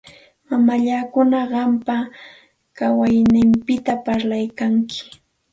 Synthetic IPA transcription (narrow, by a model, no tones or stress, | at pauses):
mamaʎakʊnaɢɑmpa | kawajnɪmpɪt̪apaɾlajkaŋkʰɪ̥